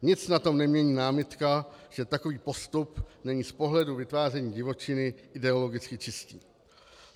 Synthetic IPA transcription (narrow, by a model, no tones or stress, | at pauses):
ɲɪt͡snat̪o̞mnɛmɲɛɲiːnaːmɪt̪kaʒ̥ɛt̪ako̞viːpo̞st̪upnɛɲiːspo̞ɦlɛduvɪt̪vaːr̝ɛɲiːɟɪvo̞t͡ʃɪnɪʔɪdɛo̞lo̞ɡɪt͡skɪt͡ʃɪsciː